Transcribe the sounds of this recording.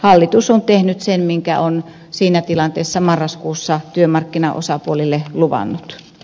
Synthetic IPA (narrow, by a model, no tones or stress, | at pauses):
hɑlːit̪usont̪ehnyt̪senmiŋkæ̰on | siːnæt̪ilɑnt̪eːsːɑmɑrːɑskuːsːɑt̪yømɑrkːinɑ̰ʔo̰sɑpuolilːeluʋɑ̰nːut̪